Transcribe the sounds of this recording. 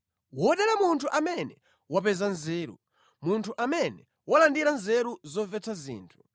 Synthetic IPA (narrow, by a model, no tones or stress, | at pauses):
wɔɗɛlamuntʰuʔamɛnɛ | wapɛzanzɛːɾṵ | muntʰuʔamɛnɛ | walandiɾanzɛɾuzɔvɛtʰazḭːntʰu̥